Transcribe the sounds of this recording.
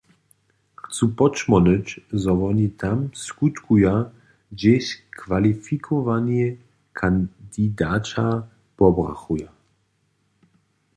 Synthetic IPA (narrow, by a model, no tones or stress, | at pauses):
xt͡supɔt͡ʃmɔnət͡ɕzɔvɔnit̪ʰamskut̪kuja | d͡ʑɛɕkvalifikʰɔvanɛ | kʰand̪id̪aːt͡ʃa | pɔbʁa̰xuja